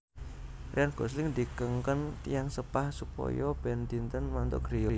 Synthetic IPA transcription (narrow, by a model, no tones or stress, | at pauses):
rianɡ̥ɔs̬lɪŋd̪ikəŋkənt̪ijaŋsəpahsupɔ̰jɔb̥ɛnd̪int̪ənmant̪ɔ̰ɡ̥ɾijɔ